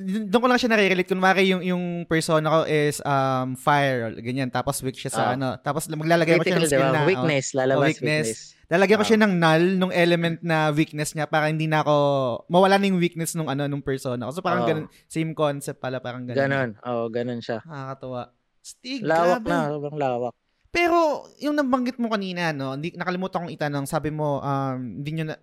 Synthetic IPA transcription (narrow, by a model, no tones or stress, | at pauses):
ʊd̪ʊŋkolɐŋɐʃanɐɾiɾɛlejt̪̚kʊnmaːkɪjʊŋjʊŋpɛɹso̞ːnɐko̞ʔɪsʔɐmfajɛɹɡɐɲant̪aːposwɪk̚ʃasɐʔɐno̞t̪aːposmɐɡ̚laːlɐɡajkoʃaɐɐwinɛslalɐbwiknɛs | laːlɐɡjaɐŋkoʃanɐŋnalnʊŋʔɛlɛmɛnt̪̚nɐwik̚nɛsɲapaːɾɐhɪnd̪iːnɐʔɐko̞mɐwɐlanɐjʊŋwik̚nɛsnʊŋʔɐno̞nʊŋpɛɹso̞ːnɐ̰kosopaːɾɐŋɡɐnon | sejmkonsɛp̚p̪̚palɐpaːɾɐŋɡɐnɡɐnonʔo̰ːʔoɡɐnonʃamɐɐkɐt̪ɐwaʔ | st̪iɡlaːwɐbnɐobɐŋlaːwɐk̚ | pɛːɾo̞jʊŋnɐmbɐŋɡɪt̪̚mokɐniːnɐno̞ɪnd̪inɐkɐlɪmuːt̪ɐkoŋɪt̪anoŋsaːbɪmo̞ʔɐmɪnd̪iɲonɐ